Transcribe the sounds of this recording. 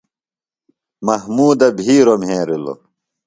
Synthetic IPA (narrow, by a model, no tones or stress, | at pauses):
mɐɦmuːd̪ɐbʱiːɾomɦẽːɾilo̰